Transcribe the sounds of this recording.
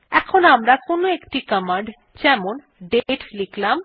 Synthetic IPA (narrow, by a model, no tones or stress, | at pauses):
ɛkʰonamɾakonoekʈikəmaɳɖ | d͡ʑɛmon | ɖeʈliklam